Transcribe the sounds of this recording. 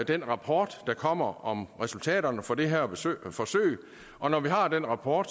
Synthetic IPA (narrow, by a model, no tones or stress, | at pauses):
d̥enʁɑ̈pʰɒːd̥ːɑ̈kʰɒ̽m̰ɐɒ̽mʁɛsult͡sʰɛ̰ːɾ̥ɐnəfɒ̽d̥e̝ɦæɐ̰b̥fɒ̽sø̰ːɪ | ʔɒ̽nɒʋiɦɑ̈d̥enʁɑ̈pʰɒːd̥